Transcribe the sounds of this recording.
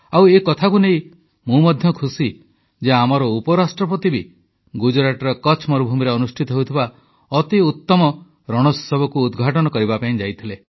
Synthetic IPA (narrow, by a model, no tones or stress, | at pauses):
awekɔt̪ʰakunej | mũmɔd̪ʱjɔkʰusi | d͡ʒeamɔɾɔupɔɾasʈɾɔpɾɔt̪ibi | ɡud͡ʒɔɾaʈɔɾɔkɔt͡ʃʰmɔɾubʱumiɾeɔnusʈʰit̪ɔɦewt̪ʰiba | ɔt̪iut̪ːɔmɔ | ɾɔɽ̃ɔssɔbɔkuːd̪ɡʱaʈɔnɔkɔɾibapaĩd͡ʒajt̪ʰile